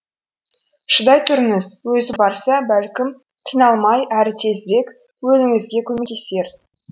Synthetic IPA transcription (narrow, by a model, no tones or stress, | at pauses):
ʃəd̪ɑjt̪ʰʊɾɪnɪzwɵzɪbɑɾsɑbælkʲɪm | qʰijnɑlˠmɑjæɾɪt̪ʰe̞zɪɾe̞k | wɵlɪŋɪzɡʲe̞kʲʰɵmek̚t̪ʰe̞se̞ɾ